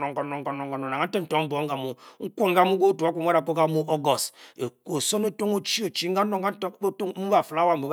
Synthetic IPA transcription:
ɔ˨ŋkɔ˨nɔ˨ŋkɔ˨nɔ˨ŋɡɔ˨nɔ˨a˨a˦tɛ˦n̩˨tɔ˦bɔ˨˦ŋ˦ɡa˨mu˨ŋ̩˦ko˦ŋ˦ɡa˦mu˦ɡo˦tu˨a˦kʷo˨˦a˦ɾa˨ko˦ka˦mu˦ʔo˦ɡɔ˨se˨ko˨so˦ne˦to˦ŋo˦t͡ʃi˦o˨t͡ʃi˦ŋ˦a˦o˦ŋ˦a˦o˦mu˦ba˨fla˦wa˦m̩˨bu˨˦

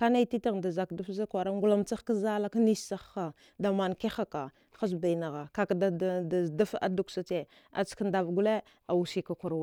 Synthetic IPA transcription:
ka˦na˦ti˦ta˦ɣda˨za˨kdu˦fza˦kʷa˨ɾa˦ŋɡu˦la˦mt͡sa˦xka˦za˦la˦ka˦ni˦ssa˦a˨ | da˨ma˨nke˦xa˦ka˨ | xa˦s̬ba˨i˨na˨ɣa˨ka˨kda˨a˨zda˦fa̰˦du˨ksa˨t͡ʃe˦˨ | a̰˨t͡sknda˨vɡu˦le˦ | a˨wu˨si˨ka˨kʷu˨ɾw

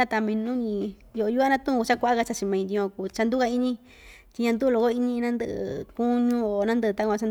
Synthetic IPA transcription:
a˧t̪a˧mĩ˧nũ˦ɲĩ˧ | jo˧o˧u˦a˦nã˦˧t̪ũ˦˨˧u˧t͡ʃa˦kʷa˧ʔa˦ka˧t͡ʃa˧t͡ʃĩ˧mã˧ĩ˧d̪ĩ˧ku˨˧˨t͡ʃa˧nd̪u˦ka˧i˦ɲĩ˦ | t̪i˧ɲã˧nd̪u˦˧lo˧ko˦i˦ɲĩ˧nã˦nd̪ɨ˧ʔɨ̰˧ku˦ɲũ˦o˧nã˦nd̪ɨ˧ɨ˧t̪a˦˧kʷã˧t͡ʃa˧n

